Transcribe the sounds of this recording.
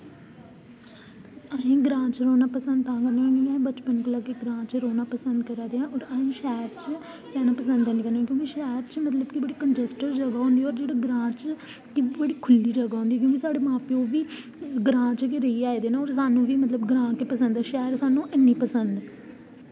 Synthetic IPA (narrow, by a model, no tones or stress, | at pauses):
aĩːɡɾãːt͡ʃɾoːnaːpəsə̃nd̪̚t̪ãːkəɾneːãːkõːkiaːĩːbət͡ʃpənkəlaːkeɡɾãːt͡ʃɾoːnaːpəsənd̪kəɾaːd̪eːãːʔɔːɾaːĩːʃɛːɾt͡ʃ | lɛːnaːpəsə̃nd̪əːnĩːkəɾneːɛ̃kjõːkiʃɛːɾt͡ʃmət̪ləbkibəɽiːkənd͡ʒɛsʈəɾd͡ʒəɡaːɦʊ̃nd̪iːɔːɾd͡ʒeːɽaːɡɾãːt͡ʃ | kibəɽiːkʰʊlːiːd͡ʒəɡaːɦʊ̃nd̪iːɛːk̬jõːkisaːɽeːmãːpioːʋiː | ɡɾãːt͡ʃkeɾəiːaːeːd̪eːnãɔːɾsaːnũːʋiːmət̪ləbɡɾãːkepəsə̃nd̪ɛːʃɛːəɾsaːnũːʔɪnːiːpəsənd̪